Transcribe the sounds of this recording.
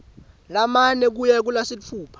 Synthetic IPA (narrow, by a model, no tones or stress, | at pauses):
lamanɛk̬ujɛk̬ulasifʰuːpʰḁ